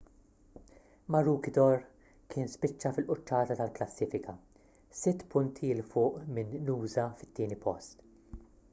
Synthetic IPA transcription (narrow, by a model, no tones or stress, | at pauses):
mɐɾuːkɪd̪ɔɾ | kʰɪːnspɪt͡ʃːɐfɪlʔʊt͡ʃːɐːt̪ɐt̪ɐlklɐsːiːfɪkʰɐ | sɪt̪ːpʊnt̪ʰilfʊːʔmɪnːuːzɐfɪ̥t̪ːiːnipʰɔ̰st̪